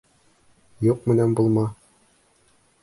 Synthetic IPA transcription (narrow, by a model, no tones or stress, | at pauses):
juq̚mɘ̆nænbulˠmɑ